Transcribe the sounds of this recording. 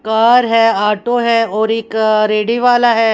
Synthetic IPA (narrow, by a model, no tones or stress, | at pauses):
kaːɾɦɛaːʈoɦɛɔːɾɪkɾeːɖiʋaːlaɦɛː